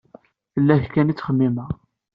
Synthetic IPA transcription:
θəlːæθkænit͡sːχəmːimæ

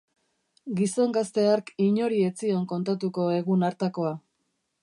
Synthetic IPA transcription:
ɡiso̞ŋɡast̪e̞aɾkiɲo̞ɾie̞t͡sio̞ŋko̞nt̪at̪̬uko̞e̞ɣunaɾt̪ako̞a

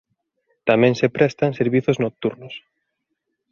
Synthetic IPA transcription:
t̪amɛ̃ŋsepɾɛst̪aŋseɾβiθoznok̚t̪uɾnʊs

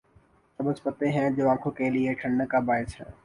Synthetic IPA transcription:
sɐbəspət̪eɦɛ̃ːd͡ʒoːãːkʰoːkeːlɪeʈʰəɳnəkaːbaːɦɪsɦɛ̰̃ː

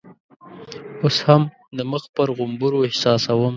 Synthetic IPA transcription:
osham | d̪əməxpəɾɣʊmbuɾoɪhsɑsawəm

